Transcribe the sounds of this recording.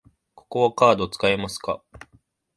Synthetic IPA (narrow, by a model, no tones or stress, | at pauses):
ko̞̥ko̞βakaːd̪o̞t͡sɨ̥kaemasɨ̥ka̰